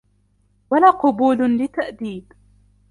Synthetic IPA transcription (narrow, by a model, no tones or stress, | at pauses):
walaːqʊbuːllɪt̪aʔd̪iːd